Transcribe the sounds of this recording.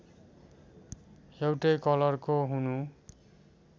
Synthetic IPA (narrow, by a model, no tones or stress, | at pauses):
ewʈejkʌlʌrkoɦunu